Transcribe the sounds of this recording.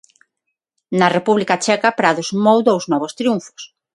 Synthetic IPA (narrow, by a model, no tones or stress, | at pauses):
nɐrepuβlikɐt͡ʃɛkapɾaðosmowðowznɔβost̪ɾiuɱfo̥s